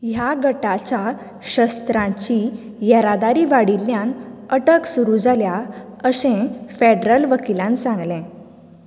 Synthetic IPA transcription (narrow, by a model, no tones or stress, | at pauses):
jaɡəʈat͡ɕa | ɕəst̪ɾãt͡ɕi | jəɾad̪aɾiːʋaɽilːjãnəʈəksuɾud͡zalja | əsẽfeɖɾəlʋəkilãnsãŋɡlɛ̃